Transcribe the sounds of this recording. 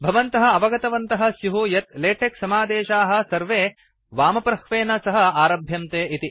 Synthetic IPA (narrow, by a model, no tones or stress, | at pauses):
bʱɐʋɐnt̪ɐɦɐ̆ɐʋɐɡɐt̪ɐʋɐnt̪ɐɦɐ̆sjuɦujɐt̪leːʈʰeksɐmaːd̪eːʃaːɦɐ̆sɐɾʋeː | ʋaːmɐpɾɐxʋeːnɐsɐɦɐ̆aːɾɐbʱjɐmt̪eːʔit̪i